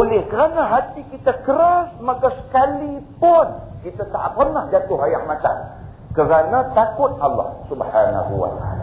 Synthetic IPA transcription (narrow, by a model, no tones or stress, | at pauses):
olɪhkəɾanaɦat̪ikit̪akəɾasmakasə̥kalipʊn | kit̪at̪a̰ʔpərnahd͡ʒat̪ʊɦajaŋmat̪aŋ | kəɾanat̪akʊt̪̚ɑlːɑ̰hsubħana̰ɦṵwa̰t̪aala